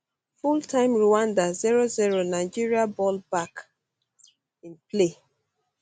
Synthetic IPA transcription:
fultʰãɪ̃mɹuãndaziɹoziɹonaɪd͡ʒiɹiabɔlbak | ĩnple

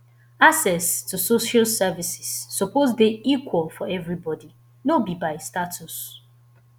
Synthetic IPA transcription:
asɛstusoʃalsɛvisɪ̥sːɔpozdeikwɔlfɔɛvɹibɔdi | nobibaɪstatʰus

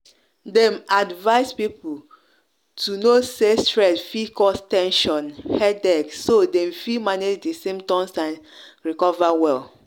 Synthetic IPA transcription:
dɛ̃madvaɪspipu | tʰunosestɹɛtfikʰɔstɛ̃nʃɔ̃nhɛdɛɡsodɛ̃mfimaned͡ʒdisẽmtɔ̃nsãnɹikɔvawɛl

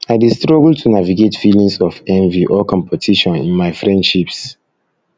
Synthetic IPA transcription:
aɪdistɹɔɡl̩tʰunaviɡetfilĩŋsɔfɛ̃nviʔɔkɔ̃mpʰɔtʰiʃɔ̃nḭ̃nmaɪfɹɛ̃ndʃips

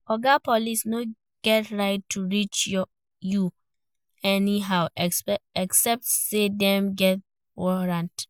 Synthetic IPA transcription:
ɔɡapʰɔlisno | ɡ̥ɛtɹaɪtʰːuɹit͡ʃjɔ | ju | ɛniɦaʊɛksɛp̚tsedɛ̃mɡɛt̚ | wɔɹãnt

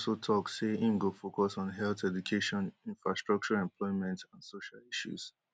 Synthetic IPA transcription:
sotʰɔkseĩmɡofokɔsn̩ɦɛlθɛdukʰeʃɔ̃nĩnfɹastɹɔk̚t͡ʃɔɹaɛ̃mplɔɪmɛ̃ntãnsoʃaliʃṵs

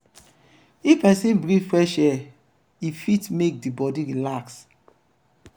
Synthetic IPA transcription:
ifɛ̃sĩnbɹĩfɹɛʃɛ | ifitmek̚dibɔdiɹilaks

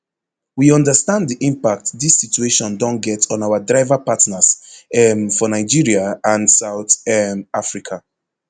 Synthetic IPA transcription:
wiɔ̃ndəstãnddiʔĩmpak̚tdisit͡ʃueʃɔ̃ndɔ̃nɡɛtɔ̃naʊadɹaɪvapatnasɛmfɔnaɪd͡ʒiɹiaãnsaʊtɛmafɹikʰa

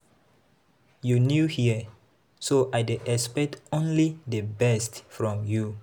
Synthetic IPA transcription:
junjuhiə | soʔajdeɛspɛk̚tõnlidəbɛstfɹɔ̃mju

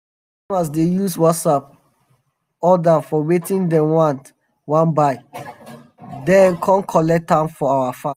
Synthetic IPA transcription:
mas̬dejuswɔtsap̚ | ɔdafɔwetĩndɛ̃mwãnt | wãnbaɪ | dɛ̃nkʰɔ̃nkʰɔlɛk̚tãmfɔawafã

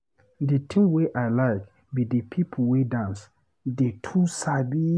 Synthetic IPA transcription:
dətʰĩŋweʔaɪlaɪk | bidəpʰip̩ʰwedãns | detʰusabi

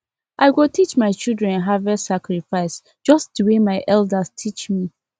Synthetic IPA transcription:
ʔaɪwɪltʰit͡ʃmaɪt͡ʃilˠdɹɛ̃nɦavɛsakɹifaɪs | d͡ʒʌsduwemaɪʔɛldastʰit͡ʃmi

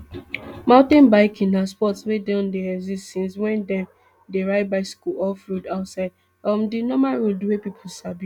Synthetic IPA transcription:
mãʊ̃tɛ̃nbaɪkĩnaspɔtswedãndeɛɡzistɛ̃nswɛ̃ndɛ̃m | deɹaɪd̚baɪskuɔlfɾudaʊtsaɪd | ɔmdinɔmalɹolduwepipʰusabu

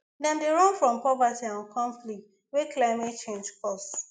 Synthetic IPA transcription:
dɛ̃mdeɹɔ̃nfɹɔ̃mpɔvatiãnkʰɔ̃ɱflikt | weklaɪmet̚t͡ʃẽnd͡ʒkɔs

